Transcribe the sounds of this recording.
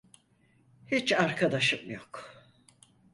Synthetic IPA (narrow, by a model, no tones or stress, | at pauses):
hit͡ʃaɾkʰad̪aʃɯmjok